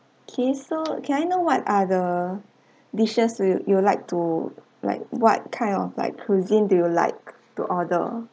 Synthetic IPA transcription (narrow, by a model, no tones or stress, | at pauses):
okʰesokʰɛ̃najnowɔtadə | diʃəsjulaɪk̚tu | la̰ɪk̚wɔ̰t̚kʰãɪ̃ndɔfla̰ɪkʰːuzĩndujula̰ɪk̚ | tṵʔɔdə̰